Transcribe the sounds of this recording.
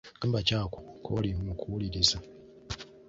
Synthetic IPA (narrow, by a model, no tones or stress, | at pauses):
ambacaːko̥kʰolimukʰuwuliɾiza